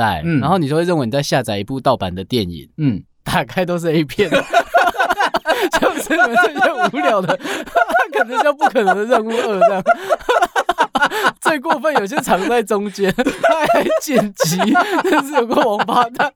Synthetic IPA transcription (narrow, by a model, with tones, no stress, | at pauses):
a̰˥˩ɪ˨˧nxo˥˩ʊni˨˧o˥˧we˥˧ɻə˥˩wni˨˩t͡sa˥˧ɪɕja˥˧t͡sa˨˧ɪi˧˩pu˥˧t̪ɑ˥˩ʊpa˨˦nd̪ə˨t̪jɛ˥˨˩nḭ˨˩n˩ | t̪a˨˩kʰa˥ɪt̪o˥ʊʂ̬ɻ̩˥˧i˥˧pʰjɛ˥˩nə˩˨˩ | t͡ɕo˥˩ʊʂə˥n˨ɛ˧˦nso˥˧˩u˧˥ljɑ˨˦ʊd̪ə˨kʰə˨˩ʂ̩˥t͡ɕjpu˥˩kʰɤ˨˩nə˧˦ŋ˦d̪ə˧ɻə˥˧nu˥˧ə˧˥˧lɑ˥˨˩ŋ | t͡swe˥˧ɪk̬wɔ˥˧fə˥˩njo˨˩ʊi˩ɕjɛ˧˥ʈ͡ʂʰɑ˧˥ŋt͡sa˥˩ɪʈ͡ʂʊ˦˥ŋt͡ɕjɛ˦na˥˩ɪa˧ɪt͡ɕjɛ˥˩nt͡ɕi˧˥na˥˩ʂ̬̩˥˩jo˨˩ʊkə˥˧˩wɑ˧˥ŋfa˥˦t̪a˨˩